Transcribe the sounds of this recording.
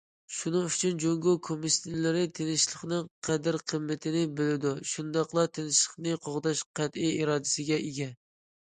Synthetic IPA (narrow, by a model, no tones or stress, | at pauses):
ʃunɨŋyt͡ʃʰynd͡ʒoŋɡokʰomisɪlɪɾɪt̪ʰenɪʃlˠəχnɨŋqʰæd̪ɪɾqʰəmːɪt̪ʰɪnɪbɪlɪd̪uʃund̪ɑqlˠɑt̪ʰenɪʃlˠəχnɨqʰoʁd̪ɑʃqʰæt̪ijiɾɑːd̪ɪsɪɡʲɛʔeɡʲɛ